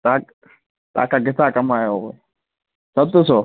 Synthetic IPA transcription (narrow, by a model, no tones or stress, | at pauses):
t̪aːk | t̪a̰ːkaɡɪt̪akɐmaːjoo | sɐb̚t̪əso